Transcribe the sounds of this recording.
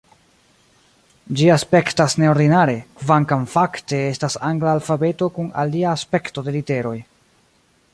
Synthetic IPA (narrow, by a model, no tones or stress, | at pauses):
d͡ʒiaspe̞ktasne̞o̞ɾdinaɾe̞kvaŋkamfakte̞estasaŋɡlaːlfabe̞to̞kuna̰liaːspe̞kto̞de̞lite̞ɾo̞j